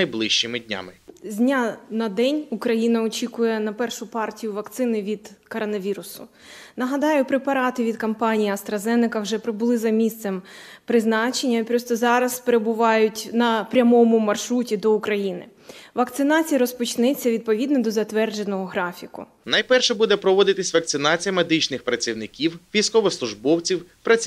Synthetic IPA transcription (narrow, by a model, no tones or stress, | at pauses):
ɐjblˠɪʃt͡ʃɪmɪdʲnʲa̰mɪzʲnʲanɐd̪ɛnʲʊkɾɐjinɐɔt͡ʃʲikʊjɛnɐpɛrʃʊpɑrtʲijʊʋɐkt̪sɪnɪʋʲid̪kɔɾɔnɐʋʲiɾʊsʊ | nɐɦɐd̪ɑjʊpɾepɐɾɑt̪ɪʋʲid̪kɐmpɑnʲijiɐst̪ɾɐzɛnɪkɐwʒɛpɾɪbʊlˠɪzɐmʲist̪sɛmpɾɪznɑt͡ʃenʲːɐipɾɔst̪ɔzɑɾɐspeɾebʊʋɑjʊtʲnɐpɾʲɐmɔmʊmɐrʃɾutʲid̪ɔʊkɾɐjinɪ | ʋɐkt̪sɪnɑt͡sʲijɐɾɔspɔt͡ʃnɛt͡sʲːɐʋʲid̪̚pɔʋʲid̪nɔd̪ɔzɐt̪ʋɛrd͡ʒenɔɦɔɦɾɑfʲikʊ̰ | nɐjpɛrʃɛbud̪ɛpɾɔʋɔd̪ɪt̪ɪsʲʋɐk̚t̪sɪnɑt͡sʲijɐmed̪ɪt͡ʃnɪxpɾɐt͡sʲiwnɪkʲiwʋʲijsʲkɔʋɪslˠʊʒbɔwt͡sʲiwpɾɐt͡sʲ